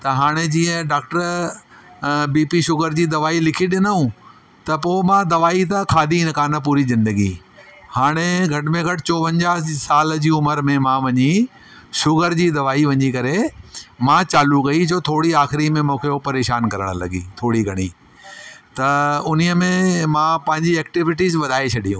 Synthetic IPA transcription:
t̪ɐɦaːɽ̃ed͡ʑiːə̃ɖaːk̚ʈəɾ | biːpiʃʊɡəɾd͡ʑiːd̪ɐʋaːilɪkʰiɗɪnəũ | t̪ɐpoːmãd̪ɐʋaːit̪ɐkʰaːd̪ʱiɪnkaːnəp̬uːɾizɪ̃nd̪əɡḭ | haːɽ̃eɡʱɐʈɪmẽɡʱɐʈʰɪt͡ɕoːʋə̃ɲd͡ʑaːsaːld͡ʑiːʊməɾmẽmãːʋɐɲi | ʃʊɡəɾd͡ʑiːd̪ɐʋaːiʋɐ̃ɲikɐɾemãt͡ɕaːlukɐid͡ʑoːt̪ʰoːɽiaːxɪɾimẽmũːkʰeopɐɾeːʃaːnkɐɾəɽ̃lɐ̰ɡḭt̪ʰoːɽiɡʱɐɽ̃ḭ | t̪ɐʊniəmẽmãpɐ̃ɦɪ̃ɲd͡ʑiɛːk̚ʈɪʋɪʈizʋɐd̪ʱaːet͡ɕʰɐɗijũː

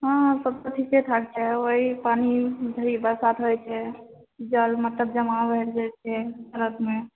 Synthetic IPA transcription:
ɦãsəb̚t̪ot̪ʰiset̪ʰak̚t͡ʃʰɛoipanid̪ʱəɾibəɾsat̪ʰɦojt͡ʃʰɛ | d͡ʒəlmət̪ləb̚d͡ʒəmabʱeɾd͡ʒajt͡ʃʰɛsəɾət̪me

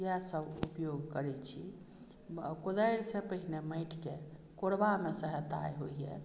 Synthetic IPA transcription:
jɛsəbṵpjoɡkəɾɛt͡ʃʰi | kod̪əjɾsepəɦineməjʈʰke | koɽbamesəɦət̪a̰jɦoiɛ̰

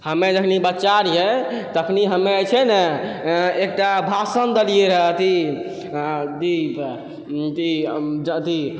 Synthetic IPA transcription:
həmed͡ʒəkʰnibətːt͡ʃaɾjet̪əkʰniɦəmeəjt͡ʃʰɛnə | ek̚ʈabʱasənd̪əlijeɾəɦt̪i | d̪ib | t̪id͡ʒt̪i

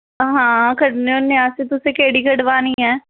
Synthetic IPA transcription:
ɦãːkəʈnonɪaːset̪ʊsekeːɽiːkəɖʋaːnĩːɦɛː

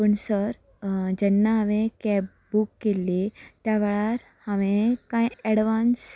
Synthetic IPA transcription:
pəɳsəɾ | d͡ʑɛnːaɦaʋẽkɛ | bukːelːit̪jaʋɛɭaɾ | haʋẽkãjɛɽʋans

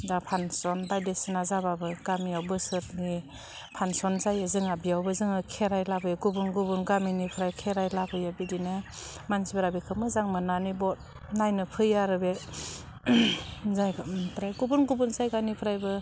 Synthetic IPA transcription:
dapʰansɔnbajdesɯnazababɯɡ̥amiawbɯsɯɾni | pʰansɔnzajɯzɯŋabijawbɯzɯŋɯkʰeɾajlabʰɯjɡubunɡubunɡaminipʰɾajkʰeɾajlapʰɯjabidine | mansibeɾabikʰɯmɯzaŋmɯnanibɔt̚ | najnɯpʰɯjaɾɯbe | zajpʰɾajɡubunɡubunzajɡanipʰɯɾajbɯ

